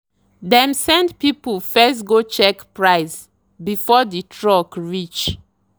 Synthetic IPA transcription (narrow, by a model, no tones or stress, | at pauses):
dɛ̃msɛ̃ndpipəlfɛstɡot͡ʃɛkpɹaɪs | bifɔdətʰɹɔkɹit͡ʃ